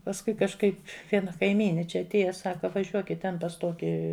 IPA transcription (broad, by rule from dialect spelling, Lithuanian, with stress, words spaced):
pɐsˈkʊɪ kɐʃˈkɐɪp ˈʋʲiɛnɐ kɐɪˈmʲiːnʲɪ ˈt͡ʃʲɛ ɐtʲˈeːjɛ ˈsɑːkɐ ʋɐˈʒʲuɔkʲɪt ˈtʲɛn pɐs ˈtoːkʲɪ